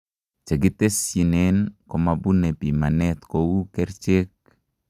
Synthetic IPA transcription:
t͡ʃe˨ɡi˦te˦si˨nenkɔ˨ma˨bu˦ne˨pima˨nɛt̪kowu˦kɛ˦ɾt͡ʃek̚

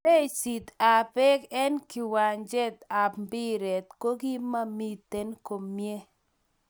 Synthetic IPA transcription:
e˦si˨t̪a˨pɛ˦kɛ˦nkɪ˨wa˨nd͡ʒɛ˦t̪a˨pmbi˦ɾɛ˨t̪ko˦ɡi˦ma˦mi˦t̪e˦nko˨mːje˦

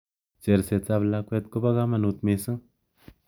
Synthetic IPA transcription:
t͡ʃe˨ɾse˨t͡sa˧βla˧kʷe˧t̪̚ko˦ba˦ɣa˦ma˧nu˧t̪me˧sɨ˦ŋ

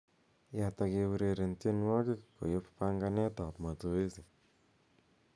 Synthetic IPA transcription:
ja˨ta˧ke˧wu˧ɾe˨ɾe˨ntje˦nwɔ˦kɪ˦ko̰˨jo˦ppa˦ŋɡa˦nɛ˦ta˨pma˨tu˨e˦si˨

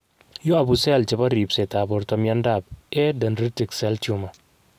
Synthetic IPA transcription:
jo˦a˨bu˨sɛ˦˨lt͡ʃe˨ba˦ɾi˨pse˨ta˨bɔ˨ɾtɔ˦mja˦nda˦˨b̚ɛ˦dɐ˨nɾi˦ti˨ksɛ˦ltu˨ma˨

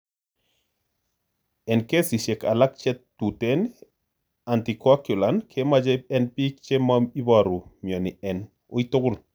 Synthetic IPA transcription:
ɛ˨nke˦si˨ʃe˨ka˨la˦k̚t͡ʃɛ˦tː | u˨te˦n | a˨nti˨kakju˨la˨nkʰe˦ma˦d͡ʒeɛ˦npi˦kt͡ʃe˦mai˦baɾu˨mjɔ˨nɪɛ˨n | oi˦t̪ʊ˦ɡʊ˦l

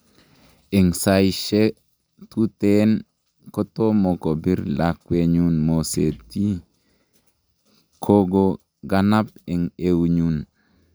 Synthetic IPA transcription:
ɪ˨ŋsa˨jʃe˦ | tu˦te˦n | ko˦to˦mo˨ko˨bi˦ɾla˨kwe˨ɲu˦nmo˨se˨ti˦ | kʰo˦ɡo˨ | ɡa˦na˦p̚ɪ˨ŋe˨wɲun

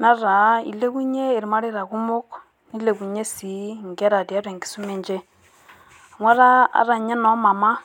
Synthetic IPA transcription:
na˦ɾa˨˦ḭ˨le˦ku˦ɲe˦i˨ɾma˦ɾi˦ɾa˨ku˦mʊ˦k | ni˦le˨ku˨ɲe˦si˨˦ŋ˨ɡɛ˦ɾa˨di˨a˦ɾe˨ŋɡi̥˨su˦me˦˨ɲd͡ʒe˦ | a˨ŋwa˦ɾa˦a̰˨˦ɾa˨ɲɛ˦nɔ˦ma˨ma˦

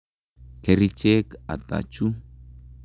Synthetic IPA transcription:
ke˨ɾi˦t͡ʃe˦ka̰˨t̪ʼa̰˨t͡ʃu˦

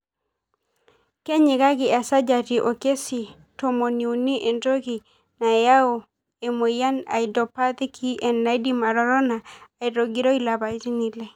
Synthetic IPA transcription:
ke˦ɲi˨ka˦ki˨a˨sa˦d͡ʒa˨ti˨ʔo˨ke˦si˨ | to˨mo˨ni˨u˨ni˦ʔe˨nɾo˦ki˨ | na˨ja˦o˨ | e˨mo˨ja˦na̰˨i˨dɔ˨pa˦t̪i˦kʰi˦ʔe˨nːa˨˦jdi˦ma˨ɾɔ˦ɾɔ˦naː˨i˨ɾo˨ɡi˨ɾo˦i˦la˨ba˨i˦ti˦ni˨lɛ˦˨

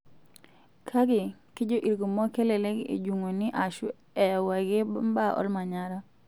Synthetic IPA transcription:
kʰa˦ɡɪ˨kɪ˦d͡ʒo˦ʔi˨ɾɡo˨mɔ˦ke˦le˨le˦ɡḛ˨d͡ʒu˨ŋo˨nɪ˦ʔa˨ʃu˦ | ɛ˨wa˨ɡe˦ba˦˨ʔɔ̰˦lma˨ɲa˦ɾa˦

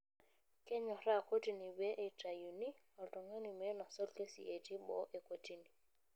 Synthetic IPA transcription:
kɛ˦ɲɔ˨ɾa˦˨ko˦ti˨ni˨be˦ʔe˨ta˨ju˨ni˦ | ɔ˨ltɔ˨ŋɛ˦ni˨me˦nɔ˨sɔ˦lke˦sḭ˨ʔe˨ti˦bɔ̰˨˦ʔe˨ko˨ti˦ni˨

